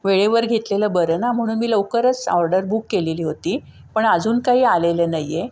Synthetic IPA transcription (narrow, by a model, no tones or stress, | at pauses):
ʋeɭeʋəɾɡʱet̪leləːbəɾənam̤əɽ̃uːnmiːləʋkəɾət͡sɔɾɖəɾbukːeleliːɦot̪iː | pəɳad͡zuːnkaɦiːalelənaje